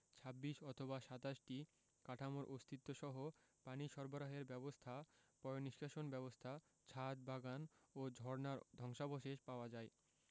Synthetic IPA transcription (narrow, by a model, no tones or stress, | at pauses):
t͡ɕʰabːiʃɔt̪ʰobaʃat̪aʃʈi | kaʈʰamoɾʔost̪ʰit̪ːoʃɔɦopaniʃɔɾboɾaɦeɾbɛbost̪ʰapɔjoniʃkaʃonbɛbost̪ʰa | t͡ɕʰat̪̚baɡanod͡ʑʱɔɾnaɾd̪ʱɔŋʃaboʃeʃpaoad͡ʑae